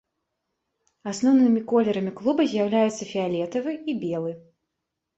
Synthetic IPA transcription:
asnɔwnɨmʲikɔlʲɛɾɐmʲiklˠubɐzʲjawlʲajut̪sːɐfʲialʲɛt̪ɐvɨibʲɛlˠɨ

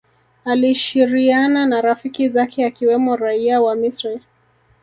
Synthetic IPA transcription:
aliʃiɾiananaɾafikizakʰɛakiwɛmɔɾaiawamisɾɛl

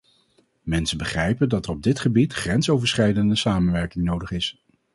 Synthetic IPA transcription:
mɛnsəbəχrɛjpəndɑtərɔb̚dɪtχəbitχrɛnsowvəɹsχɛjdəndəsaːmənʋɛɹkɪŋnowdəχɪs

